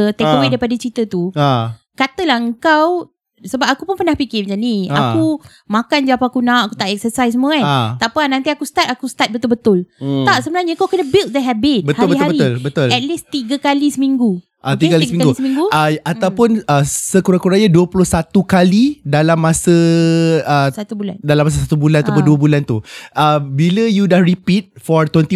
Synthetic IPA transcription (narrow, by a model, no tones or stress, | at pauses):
t̪ɛkwedajpadat͡ʃit̪ət̪ua | kat̪əlahəŋkaw | səbap̚akupʊnpənahpikɪməd͡ʒania̰ku | makand͡ʒaapaakunãʔakut̪aʔɛk̚səsajsəmuəaat̪apanãnt̪iakust̪at̪̚akust̪at̪̚bət̪ʊlbət̪ʊlaʔsəbənarɲəŋkawkənəbɪlt̚d̪əɦɛbɪt̪b̚əthaɾbəɦabəɾiʊlbət̪ʊlɛt̪̚list̪iɡəkalisəmiŋɡu | ʔat̪iɡakalismĩŋɡusəmiŋɡuəaawpʊnəsəkuɾakuɾajaduəpulʊhsat̪ukalidalamːasə | əsat̪ubula̰ndalamːas̬asat̪ubulanat̪apʊnduəbulant̪uəbiləjudahɹipit̪̚fɔɹt̪wɛnt̪i